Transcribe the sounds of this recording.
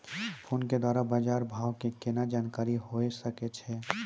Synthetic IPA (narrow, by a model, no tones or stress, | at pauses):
pʰoːnked̪waːɾabad͡ʒaːɾbʱaːwkekenad͡ʒaːnkaːɾiɦoesəket͡ʃʰɛ